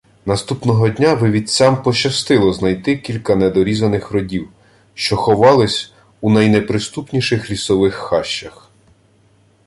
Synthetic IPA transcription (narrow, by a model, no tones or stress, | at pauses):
nɐst̪upnɔɦɔdʲnʲaʋɪʋʲit͡sʲɑmpɔt͡ʃɐst̪ɪlˠɔznɐjt̪ɪkʲilʲkɐnɛd̪ɔɾʲizɐnɪxɾɔdʲiw | ʃt͡ʃɔxɔʋɑlˠɪsʲ | unɐjnɛpɾɪst̪upnʲiʃɪxlʲisɔʋɪxːɑʃːɐx